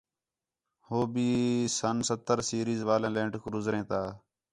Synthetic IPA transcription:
hoːbiːsənsət̪ːəɾsiːɾiːzʋaːlẽːlẽːɳʈkʊɾʊzɾẽːt̪aː

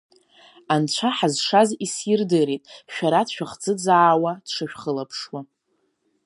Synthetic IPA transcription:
ant͡ɕʷʰaħazʂazisjɪrdɨɾitʼʃᶣaɾadʃᶣaχd͡zɨd͡zaːwadʂɨʃᶣχəlapʰʂwa

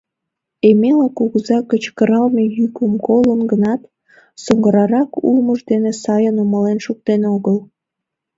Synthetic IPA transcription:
emelɑkuɣəzɑkət͡ɕkəɾɑlmejykəmkolənɡənɑt̪ | soŋɡəɾɑɾɑkṵlməʒd̪enesɑjənuməlenʃuk̚t̪enoɣəl

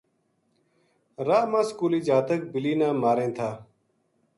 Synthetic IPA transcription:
ɾaːmãːskuːliːd͡ʒaːt̪ək̚bɪliːnãːmaːɾẽːt̪ʰaː

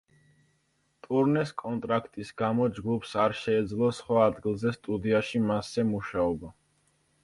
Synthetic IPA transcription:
t̪ʼuɾnɛskʼɔnt̪ʼɾakʰt̪ʼisɡamɔd͡ʒɡupʰsaɾʃɛːd̪zlˠɔsχwaːd̪ɡilˠzɛst̪ʼud̪iaʃimasːɛmuʃaɔba

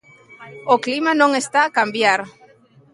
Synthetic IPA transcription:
oklimanõŋest̪aːkambjaɾ

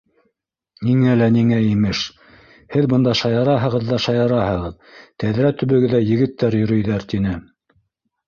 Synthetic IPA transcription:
niŋælæniŋæimɘʃ | hɘðbɤnd̪ɑʃɑjɑɾɑɦɤ̆ʁɤ̆ðːɑʃɑjɑɾɑhɤ̆ʁɤð | t̪æðɾæt̪ɵ̆βɘ̆ɡɘ̆ðæjɘ̆ɡɘ̆t̪ːæɾjɵ̆ɾɵ̆jðæɾt̪inɘ

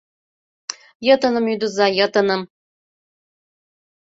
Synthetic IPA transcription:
jɤ̆t̪ɤ̆nɤ̆myd̪uzɑjɤ̆t̪ɤ̆nɤ̆m

